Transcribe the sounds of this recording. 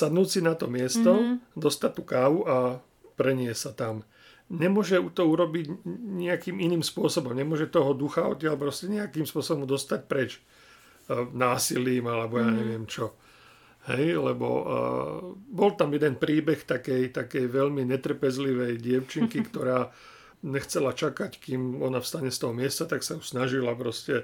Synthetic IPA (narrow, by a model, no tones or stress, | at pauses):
sad̪nuːsinat̪ɔmɪɛst̪ɔd̪ɔst̪at̪ːukaːʋuʔa | pɾɛɲɪɛsat̪am | ɲɛmʊɔʒɛut̪ɔuɾɔbiɟɲɪakiːminiːmspʊɔsɔbɔmɲɛmʊɔʒɛt̪ɔɦɔd̪uxaɔ̰t̪t̪ːɪalpɾɔscɛɲɛakiːmspʊɔsɔbɔmd̪ɔst̪ac̚pɾɛt͡ʃ | naːsiliːmalɛbɔjaːɲɛʋɪɛmt͡ʃɔ | hɛ̰jlɛbɔ̰ | bɔlt̪amjɛd̪ɛnpɾiːbɛxt̪akɛjt̪akɛjʋɛʎmiɲɛt̪r̩pɛzliʋɛjɟɪɛʊt͡ʃiŋkikt̪ɔɾaː | ɲɛxt͡sɛlat͡ʃakackimɔnafst̪aɲɛst̪ɔɦɔmɪɛst̪at̪aksajusnaʒilap̬ɾɔscɛ